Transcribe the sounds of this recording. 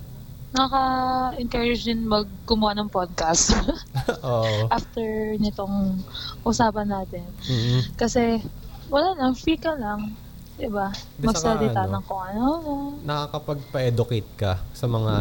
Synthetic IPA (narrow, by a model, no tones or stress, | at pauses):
nɐakɐʔɪŋkaɹɪd͡ʒɪnmɐɡ̚ːʊmʊwanɐŋpod̪̚kɐst̪ʔoʔʔaft̪ɛɹnɪt̪o̞ŋʔʊsaːpɐnːaːt̪ɪnkɐsɛwɐlaːlɐŋfiːkɐlɐŋ | d̪ɪbamɐɡsɐlɪt̪anɐŋkʊŋɐnonanɐkakɐpɐɡ̚pɐʔɛːd̪ʊkejt̪̚kɐsɐmɐŋa